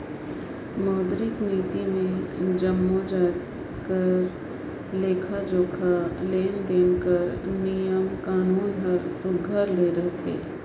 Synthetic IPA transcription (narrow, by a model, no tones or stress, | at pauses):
mɔːd̪ɾɪkniːt̪imẽd͡ʒəmːod͡ʒaːt̪ | kəɾ | leːkʰad͡ʒoːkʰaleːnd̪eːnkəɾnijəmkaːnuːnɦəɾsʊɡʱəɾleːɾəɦt̪ʰḛː